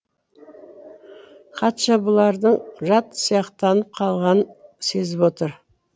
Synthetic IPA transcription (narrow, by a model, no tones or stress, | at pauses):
qʰɑt̪ʃɑbʊlˠɑɾd̪əɴʒɑt̪sijɑqt̪ɑnəp̚qʰɑlˠʁɑnəse̞zɪpwo̞t̪əɾ